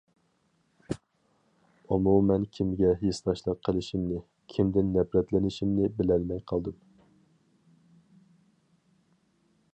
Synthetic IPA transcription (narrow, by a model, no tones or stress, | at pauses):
umumɛnkʲʰimɡʲɛɦest̪ɑʃlˠɑqqʰːəlˠɪʃimnɪ | kʲʰimd̪ɪnːɛpɾɛt̪lɪnɪʃimnɪbɪlɛlmɛjqʰɑlˠd̪ɨm